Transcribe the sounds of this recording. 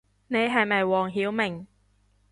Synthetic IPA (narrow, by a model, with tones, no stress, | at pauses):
ne˨˧jɦɐ˨jmɐ˨jwɔː˨˩ŋɦiː˨˥wmɪ˨˩ŋ